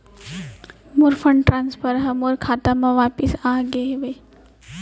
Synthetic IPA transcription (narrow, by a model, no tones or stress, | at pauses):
muɾfʰəɳɖʈɾaːnspʰəɾɦɐmuɾkʰaːt̪amãʋaːpisaːɡeɦeʋe